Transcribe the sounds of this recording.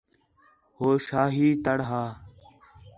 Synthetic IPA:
hoːʃaːɦiːt̪əɽɦaː

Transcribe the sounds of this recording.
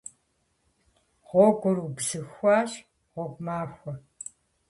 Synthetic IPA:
ʁʷɔɡʷʊɾubzɨxʷaːɕ | ʁʷɔkʷʼmaːxʷɔ

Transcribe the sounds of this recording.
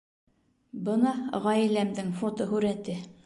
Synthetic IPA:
bɤnɑʁɑjilæmd̪ɘŋfot̪oɦʉɾæt̪ɘ

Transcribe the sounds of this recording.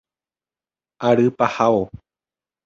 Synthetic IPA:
aɾɨpahao

